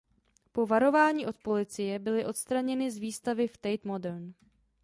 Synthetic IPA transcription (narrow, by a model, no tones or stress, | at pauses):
po̞vaɾo̞vaːɲiːʔo̞t̪̚po̞lɪt͡sɪjɛbɪlɪʔo̞t̪st̪ɾaɲɛnɪzviːst̪avɪft̪ɛjt̪modɛɾn